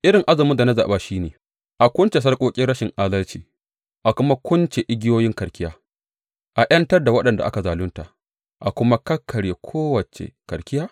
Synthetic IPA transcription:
ʔɪ˦ɾɪ˨ŋʔa˦zɐ˨mʊ˦da˨na˦za̰ː˨baː˦ʃiː˦neː˨ | ʔa˨kʷʊ˦nt͡ʃe˨s̬ɐ˦rkʷʼoː˦kʲʼɪ˦ɾɽɐ˦ʃɪ˨ŋʔaː˦dɐ˦lt͡ʃiː˨ | ʔa˨kʷʊ˦ma˦kʷʊ˦nt͡ʃe˨ʔɪ˦ɡʲɪ˦joː˦jɪ˦ŋkɐ˨rkʲɪ˦jaː˦ | ʔa˨ʔɐ˦ntɐ˦rda˨wɐ˦ɗɐ˨nda˨ʔa̰˦ka˨zaː˨lʊ˦nta˨ʔ | ʔa˨kʷʊ˦ma˦kɐ˦kʰːɐ˨ɽeː˨kʷʰoː˦wɐ˨t͡ʃḛ˨kɐ˨ɾkʲɪ˦jaː˦

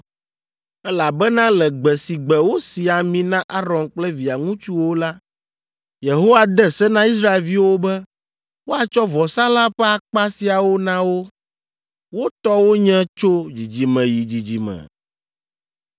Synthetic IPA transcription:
ɛ˦la˨bɛ˦nã˦lɛ˨ɡ͡bɛ˨si˨ɡ͡bɛ˨wo˦si˨a˨mĩ˨nã˦ʔa˦ɾɔ̃˨nk͡plɛ˦vi˨a˨ŋũ˦t͡ʃu˦wo˦la˦ | je˨ɦo˦wa˦d̪ɛ˦sɛ˦nã˦i˦s̬ɾa˦e˨lvi˦wo˦bɛ˦ | wo˦a˨t͡ʃɔ˦vɔ˨sã˦la˦ɸɛ˦a˨k͡pa˦si˨a˨wo˦nã˦wo˦ | wo˦t̪ɔ˦wo˦ɲɛ̃˦t͡ʃo˦d͡ʑi˨d͡ʑi˨mɛ̃˨ji˨d͡ʑi˨d͡ʑi˨mɛ̰̃˨

